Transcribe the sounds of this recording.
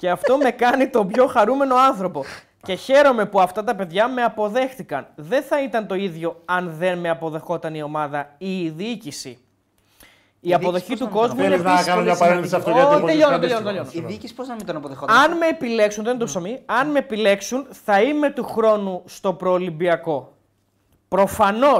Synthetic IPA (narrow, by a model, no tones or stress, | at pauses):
ce̞ɐft̪o̞me̞kɐnit̪o̞pço̞xɐɾume̞no̞ɐnθɾo̞po̞ | ce̞çe̞ɾo̞me̞puɐft̪ɐt̪ɐpe̞ðʝɐme̞ɐpo̞ðe̞xθikɐnðe̞nθɐit̪ɐnt̪o̞iðʝo̞ɐnðe̞nme̞ɐpo̞ðe̞xo̞t̪ɐnio̞mɐðɐiːðiicisi | iɐpo̞ðo̞çit̪uko̞zmuenɐkɐnunɲɐpɐɾenθisɐft̪oɐpoeʎonont̪eʎoniicisi̥poznɐmind̪onɐpoðexoɐnme̞ːpile̞ksunðent̪osomiɐnme̞ːpile̞ksunθɐime̞t̪uxɾo̞nust̪o̞pɾoːlibiɐko̞ | pɾo̞fɐno̞